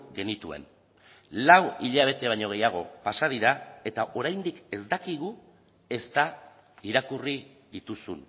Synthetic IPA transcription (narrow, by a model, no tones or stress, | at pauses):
ɡe̞nit̪ue̞̰n | lawiʎaβ̞e̞t̪e̞β̞ajɲo̞ɣ̞e̞jaɣ̞o̞pasað̞iɾae̞t̪aʔo̞ɾajnd̪ike̞zd̪akiɣ̞u | e̞st̪a | iɾakuri | ðit̪usun